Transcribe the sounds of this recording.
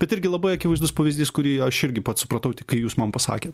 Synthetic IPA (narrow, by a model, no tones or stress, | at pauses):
b̥ʲɛt̪ɪɾʲɡʲɪlˠɐbɐɪɐkʲɪʋɐɪzd̪ʊspɐʋʲɪzʲd̪ʲiːskʊɾʲiːɐʃɪɾʲɡʲɪpɐt̪sʊpɾɐt̪ɐʊt̪ʲɪkɐɪjuːsmɐmpɐsɑ̰ːkʲeːt̪